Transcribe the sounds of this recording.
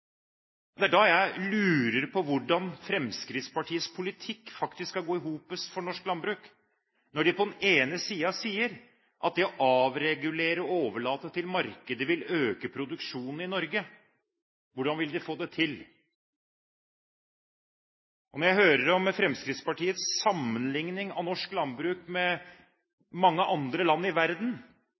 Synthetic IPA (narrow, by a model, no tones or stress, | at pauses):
d̪ɛæɖɑjæɪlʉːɾəɾpʰɔʋʊɖɑnfɾɛmskɾɪt̪spɑʈʰiːəspʰʊlɪt̪ʰɪkːfɑkt̪ɪsskɑɡoːɪɦuːpəsfɔɳɔʂklɑnbɾʉːk | nɔɖɪpʰɔd̪ɛneːnəsiːəɑsiːəɾ | ʔɑt̪̚d̪ɛɔʔɑːʋɾɛɡʉleːɾəɔoːʋəɭɑːt̪ət̪ʰɪlmɑɾkəd̪əʋɪløːkəpʰɾʊd̪ʉkʂuːnn̩ɪnɔɾɡə | ʋʊɖɑnʋɪld̪ɛfoːd̪ɛt̪ʰɪl | ʔɔnɔɾjæɪɦøːɾəɾɔmfɾɛmskɾɪt̪spɑʈʰiːət̪ssɑmːənlɪŋnɪŋɑ̰nɔʂklɑnbɾʉːkmɛ | mɑŋːəʔɑnd̪ɾəlɑnːɪʋæɾd̪n